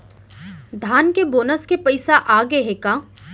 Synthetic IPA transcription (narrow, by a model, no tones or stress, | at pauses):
d̪ʱaːnkeboːnəskepɐɪsaʔaːɡeɦekaː